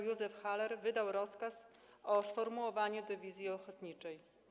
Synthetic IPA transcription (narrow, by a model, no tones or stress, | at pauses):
juzɛfxalɛɾvɘd̪awɾɔskas | ʔɔsfɔɾmuwɔvaɲɛd̪ɛvʲizʲjiɔxɔt̪ɲit͡ʂɛj